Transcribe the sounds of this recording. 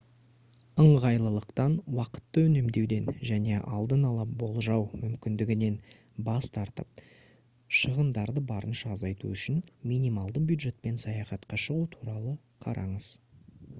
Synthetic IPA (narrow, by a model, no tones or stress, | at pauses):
əɴʁɑjlˠəlˠəqt̪ɑnwɑqə̥t̪ːəʏne̞md̪e̞wd̪e̞nʒæne̞ʔɑ̰lˠd̪ənɑlˠɑbo̞lˠʒɑwmʏmkʲɪnd̪ɪɡʲɪne̞n | bɑst̪ɑɾt̪əp̚ | ʃəʁənd̪ɑɾd̪əbɑɾənʃɑːzɑjt̪ṵʏʃɪnmijnijmɑlˠd̪əbjud̪ʒe̞t̪̚pe̞nsɑjɑχɑt̪qɑʃəʁut̪ʰuɾɑlˠə | qʰɑ̰ɾʔɑ̰ɴəz̥